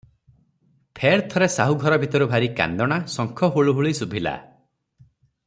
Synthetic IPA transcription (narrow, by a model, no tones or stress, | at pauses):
pʰeɾt̪ʰɔɾesaɦuɡʱɔɾɔbʱit̪ɔɾubʱaɾika̰nd̪ɔɽ̃asɔŋkʰɔɦuɭuɦuɭisubʱila̰